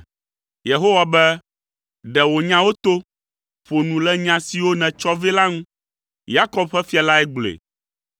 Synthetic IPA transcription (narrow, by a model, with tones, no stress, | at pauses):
je˨ɦo˦wa˨bɛ˦ | ɖɛ˨wo˨ɲã˦wo˦t̪o˦ | ɸo˨nũ˨lɛ˦ɲã˨si˨wo˦nɛ̃˨t͡ʃɔ˦ve˦la˦ŋũ˦ | ja˦kɔ˦bɸɛ˦fi˦a˨la˦ɛ˦ɡ͡blḛ˨